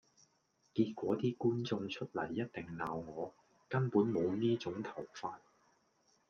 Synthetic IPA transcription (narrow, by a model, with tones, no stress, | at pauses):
kiː˧t̚kʷɔː˨˥t̪iː˥kuː˥nt͡sʊ˧ŋt͡ʃʰɵ˥t̚lɐ̰˨˩jːɐ˥t̚t̪ɪ˨˩ŋnaː˨˧wŋɔː˨˧ | kɐ˥npuː˨˥nmo˨˧wniː˥t͡sʊ˨˥ŋt̪ʰɐ˨˩wfaː˧t̚